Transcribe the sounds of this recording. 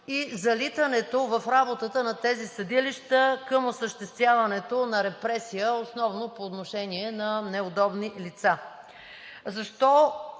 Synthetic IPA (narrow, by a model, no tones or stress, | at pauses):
izɐlit̪ənɛt̪ovɐfɾabot̪ət̪ənɐt̪ɛzisɐd̪iliʃt̪əkəmosəʃt̪ɛst̪vʲjavɐnɛt̪onɐɾɛpɾɛsijəosnɔvnopoːt̪noʃɛniɛnɐnɛod̪ɔbnilit̪sa | zɐʃt̪ɔ